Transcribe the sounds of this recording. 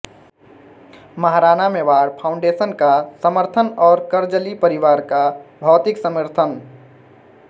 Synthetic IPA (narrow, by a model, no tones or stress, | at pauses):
məɦɾaːnameʋaːɽpʰaʊ̃ɳɖesənkasəməɾt̪ʰənɔːɾkəɾd͡ʒəlipəɾiʋaɾkabʱɔːt̪ɪksəməɾt̪ʰən